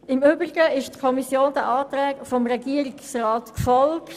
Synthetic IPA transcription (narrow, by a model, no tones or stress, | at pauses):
ɪmøbɾiɡəɪʃtkʰɔmisjoːnd̥̪æʔɑːt̪ɾɛːkfɔmɾɛɡiəɾɪksrɑːt̪kfɔlkt